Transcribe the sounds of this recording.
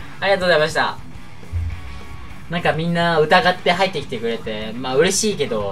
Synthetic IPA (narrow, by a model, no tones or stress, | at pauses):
aɾʲiɡat̪oːɡozaimaɕ̬i̥t̪a̰ | nãŋkamʲĩnːaɯ̟t̪aɡat̪ːe̞ɦait̪ːe̞kʲi̥t̪ekɯ̟ɾe̞t̪e̞maːɯ̟ɾe̞ɕiːke̞d̪o̞